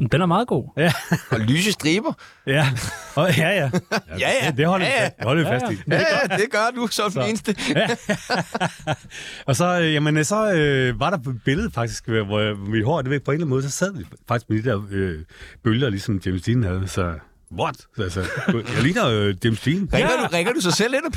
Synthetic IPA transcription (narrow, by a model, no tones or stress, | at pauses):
d̥enæɐmɑ̈ːðˠɡ̥o̝̰ːjælyːsəsd̥ʁiːb̥ɐ | jæɒjæjæjæd̥e̝hɒ̽l̰idehɒlʋifæsd̥idd̥eɡ̥ɶɐd̥usɒ̥eːnsd̥əæ | ɒ̽sɒ̽øjæmensɒ̽øʋɑ̈ɾɑ̈b̥e̝ləðˠfɑ̈ɡ̥d̥isɡ̥ʋʋiɦɒːd̥eʋeɡ̥̚pʰɒe̝nlænmɔːðˠsɒ̽sɛð̞̰ˠʋifɑ̈ɡ̥isɡ̥med̥id̥ɛɐ̰øb̥øljɐlisɒ̽md̥emsd̥ḭːn̩hæð̞ˠsɒ | ʋɒd̥ælsəjalḭːnɐd̥emsd̥iːn̩ɛɡ̥ɐdʁɛɡ̥ɐdusɑɪsel̰enpʰ